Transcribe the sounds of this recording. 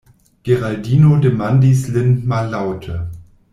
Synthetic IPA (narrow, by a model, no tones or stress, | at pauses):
ɡ̥eʁaldiːnodemandislɪnmalːawtʰə